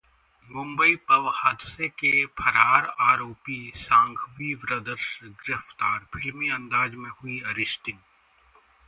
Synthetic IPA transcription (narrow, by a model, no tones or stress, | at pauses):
mʊ̃mbəipɐʋhaːd̪ɪsekepʰɐɾaːɾaːɾoːpisãːŋɡʰʱʋiːʋɾəd̪əɾsɡɪɾəft̪aːɾpʰɪlmiɐ̃nd̪aːd͡ʒmẽhʊiɐɾɪsʈɪ̃ŋ